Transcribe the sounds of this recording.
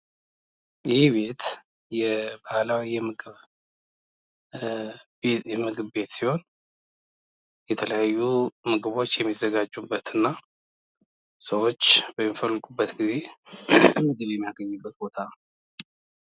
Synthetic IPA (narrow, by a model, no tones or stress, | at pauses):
jɪhiβe̞t̪ | jɛbahlawijɛmɨɡɨβ | jɛmɨɡɨβbe̞t̪siho̞n | jɛt̪ʰələjajːumɨɡɨβo̞t͡ʃːjɛmːizːəɡad͡ʒːubːət̪ɨnːa | səwo̞t͡ʃːb̥əmːifəlːɨɡubːət̪ɡize̞ | mɨɡɨβjɛmːijaɡəɲːɨbːət̪bo̞t̪ʰa